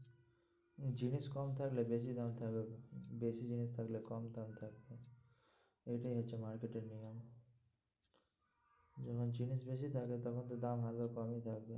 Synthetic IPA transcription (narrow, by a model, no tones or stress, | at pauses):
d͡ʑiniskɔmt̪ʰaklebeʃ̬id̪amt̪ʰakbebesid͡ʒinist̪ʰaklekɔmd̪amt̪ʰak̚be | ejʈaiɦatːʃʰemaɾkeʈeɾniam | d͡ʒɔkʰond͡ʑinisbeʃ̬it̪ʰaket̪ɔkʰont̪̬od̪amɦad̪bakɔmejt̪ʰakbe